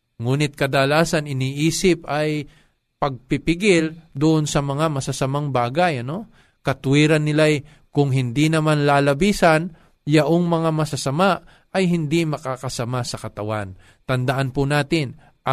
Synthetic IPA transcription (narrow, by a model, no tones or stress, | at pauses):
ŋuːnɪt̪̚kɐd̪alaːsɐnɪniːʔiːsɪpɐj | pɐɡ̚pɪpɪɡɪld̪ʊʔonsɐmɐŋamɐsɐsɐmaŋbaːɡɐjɐno̞ | kɐt̪ʊwiːɾɐnːɪlaj | kʊŋɦɪnd̪inɐmanlaːlɐbiːsɐn | jɐʔoŋmɐŋamɐsɐsɐma | ʔɐjɦɪnd̪imɐkaːkɐsɐmasɐkɐt̪ɐwan | t̪ɐnd̪ɐʔanpʊnaːt̪ɪn | ʔɐ